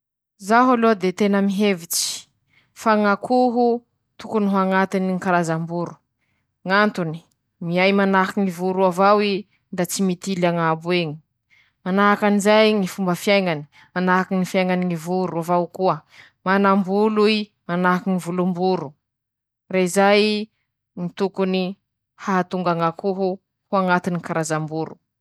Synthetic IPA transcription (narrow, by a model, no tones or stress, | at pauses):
zaɦulod̪et̪enəmiɦevit͡si̥ | faŋakʰuɦu | t̪ukunuɦaŋat̪iniŋikaɾazambuɾu̥ | ŋant̪uni̥ | miajmanakiŋivuɾuavawi | nd̪at͡simit̪ilaŋabueŋi̥ | manaɦakanizajŋifumbəfjaŋani̥ | manaɦakiŋifjajŋaniŋivuɾuavawkuə | manambului | manaɦkiŋivulumbuɾu | raizaj | ŋit̪ukuni | haɦat̪uŋɡaŋakuɦu | huaŋat̪inikaɾazambuɾṵ